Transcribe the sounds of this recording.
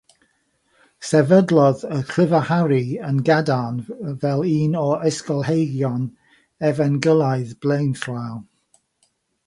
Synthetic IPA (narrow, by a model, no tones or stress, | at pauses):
sɛvədlˠɔðəkʰl̥ɪvahaɾiənɡadanvɛlˠiːnɔəskɔlˠhejɡjɔn | ɛvɛnɡəlˠaɨðb̥lejnθraw